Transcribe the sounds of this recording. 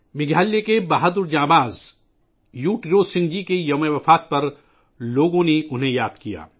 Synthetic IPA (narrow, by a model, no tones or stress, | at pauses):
mɪɡʱaːlːekebaɦad̪ʊɾd͡ʒãːbaːz | juːʈɾoːsɪ̃ŋd͡ʒikejɐmeʋɐfaːt̪̚pɐɾ | loːɡõneʔʊnɦẽjaːd̪kija̰ː